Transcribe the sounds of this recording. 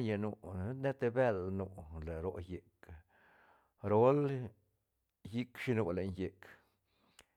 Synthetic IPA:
ɲa˨nu˨˧˦ne˦t̪e˧be˦˧lnu˧˨le˨ɾo˨˧je˨k | ɾo˦l | ji˦kʂi˧no˧le˨nje˨k

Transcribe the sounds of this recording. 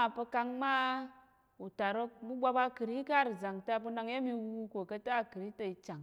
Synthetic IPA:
a˨pə˦ka˦ŋma˦ | u˨ta˨ɾo˦k̚mu˦ɡ͡bʷa˦ba˦ki˨ɾi˦ka˦˨ɾi˨za˨ŋta˦p̬u˦na˦ŋ˦ja˦mi˦wu˦ko˨ka˦ta˦˨ki˨ɾi˦ta˨i˨t͡ʃa˨ŋ

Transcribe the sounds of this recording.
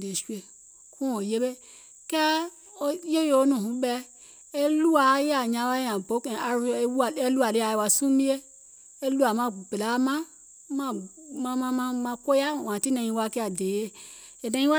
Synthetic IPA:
de˨ʃu˦e˨ | kʰu˦o˨je˦be˦ | ke˦ | o˦je˦jo˨o˦nũ˨ɦũ˨˦be˦ | e˦lu˦a˨˦je˦a˨ɲa˨˦wa˦a˨bo˦ke˨a˨˦˨e˦lu˦a˨li˦a˨jwa˨su˦mi˦e˦ | e˦lu˦a˨ma˦be˨la˦ma˦ | ma˦ | ma˦ma˦ma˦ma˨ko˦ja˦wã˨ti˦na˨ɲĩ˦wa˦ke˦a˨de˨je˦ | e˨na˦i˦wa˦

